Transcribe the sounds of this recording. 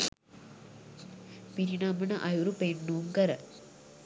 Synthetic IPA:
piɾinaːmɐnɐʔɐjuɾupeɳːuːmkɐɾɐ

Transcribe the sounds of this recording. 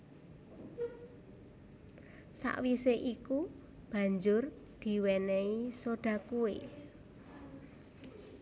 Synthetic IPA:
sa̰ʔwiseʔiku | b̥ä̤ɲd͡ʒʊr | d̪̥i̤wɛnɛisoɖ̥ä̤kue

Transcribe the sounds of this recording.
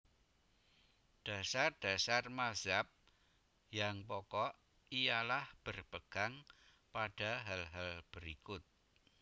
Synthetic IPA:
ɖ̥a̤sard̥a̤sarmazap̚ | jaŋpɔkɔʔ | ijalahb̥ərpəɡ̥a̤ŋ | paɖ̥a̤ɦalɦalb̥əɾikʊt̪̚

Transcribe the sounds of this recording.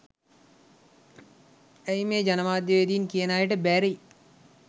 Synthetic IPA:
æjmeːd͡ʒanəmaːd̪jəʋed̪iːnkijənaːjəʈəbæɾei

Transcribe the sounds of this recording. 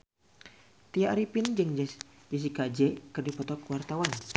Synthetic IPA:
t̪iaʔɾipind͡ʒəŋd͡ʒ | d͡ʒis̬ikad͡ʒɛkərdipɔt̪ɔkwart̪awan

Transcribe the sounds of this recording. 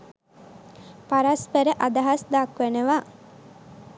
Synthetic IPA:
paɾaspəɾəʔad̪aɦasd̪akʋenəʋa

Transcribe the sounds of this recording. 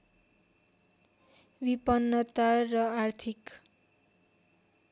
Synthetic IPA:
bipʌnːʌt̪arʌart̪ʰik

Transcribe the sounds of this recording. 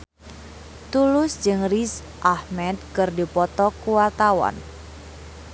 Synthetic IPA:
t̪ulʊsd͡ʒɨŋris | ʔahmɛt̪̚kɨrdipɔt̪ɔkuwart̪awa̰n

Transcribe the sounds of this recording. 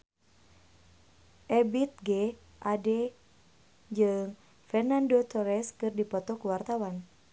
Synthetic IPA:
ʔɛbit̪̚ɡɛ | ʔadɛ | d͡ʒɨŋ | fɛrnandot̪ɔɾɛskɨrdipɔt̪ɔkuwart̪awan

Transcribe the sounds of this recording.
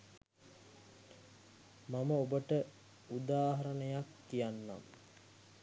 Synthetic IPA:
maməobəʈə | ud̪aːɦaɾənəjakːijanːa̰m

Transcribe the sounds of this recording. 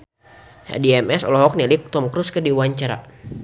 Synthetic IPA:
ha̰diɛmɛsɔ̰lɔɦɔk̚nilik̚t̪ɔmkɾuskərdiwaɲt͡ʃaɾa̰

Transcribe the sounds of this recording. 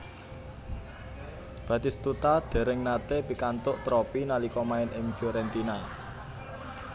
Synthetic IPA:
b̥ä̤t̪ist̪ut̪ad̪̥e̤ɾɪŋnat̪ebi̤kant̪ʊʔt̪ɾɔpinalikɔmaɪnɪŋfjoɾɛnt̪ina

